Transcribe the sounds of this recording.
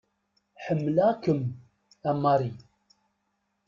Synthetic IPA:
ħəmːəlakəm | æmːɑɾˤi

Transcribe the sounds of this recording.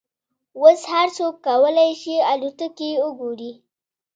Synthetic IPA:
wəshaɾt͡sokːawəlajʃialut̪əkiʊɡuɾi

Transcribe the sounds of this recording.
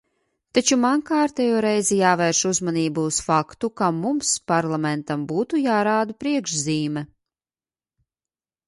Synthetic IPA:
t̪at͡ʃumaŋkaːɾt̪ɛːjoːɾɛjzijaːveɾʃuzmaniːbuːsfakt̪ukamumspaɾlˠamɛnt̪ambuːt̪ujaːɾaːd̪upɾiɛkʃziːmɛ

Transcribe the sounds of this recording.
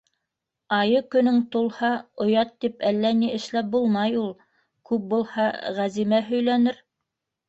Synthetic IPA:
ɑjɤkɵ̆nɵŋt̪ulˠhɑŏjɑt̪ːipælːæniɘ̆ʃlæp̚bulˠmɑjulˠ | kʉp̚bulˠhɑʁæzimæɦɵ̆jlænɘɾ

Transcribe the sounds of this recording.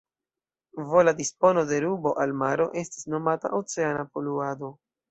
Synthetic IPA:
vo̞ladispo̞no̞de̞ɾubo̞ʔalmaɾo̞ʔe̞sti̥sno̞mata̰ʔot͡se̞anapo̞luado̞

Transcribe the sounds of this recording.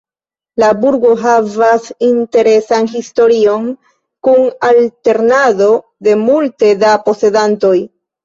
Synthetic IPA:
labuɾɡo̞ɦavasinte̞ɾe̞sanɦisto̞ɾio̞n | kunalte̞ɾnado̞ | de̞multe̞dapo̞se̞danto̞j

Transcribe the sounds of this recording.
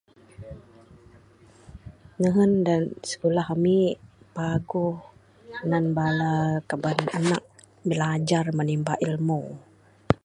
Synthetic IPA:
nəɦəndansə̥kulaɦami | paɡuh | nanbalakabanana̰k̚ | bilad͡ʒarmənimbaʔilmu

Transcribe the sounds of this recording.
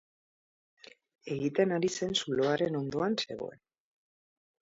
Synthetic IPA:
e̞ɣit̪enaɾise̞nsulo̞aɾe̞no̞nd̪o̞anse̞ɣo̞̰e̞̰n

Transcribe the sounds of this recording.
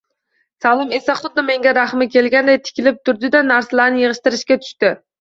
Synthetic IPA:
salˠɪmesaχʊd̪̚ːɪme̞ŋɡʲaɾaχmɪkʲelɡʲand̪ajt̪ʰɪ̥kʲʰɪlɪp̚t̪ʰʊɾd̪ɪd̪anæɾsalaɾnɪjɨʁɨʃt̪ɪɾɪʃkʲat̪ʰʊ̥ʃt̪ɪ

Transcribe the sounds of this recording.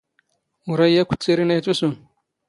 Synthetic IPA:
uɾɐjːakʷʰu̥t͡sʼeɾinat͡sʼusun

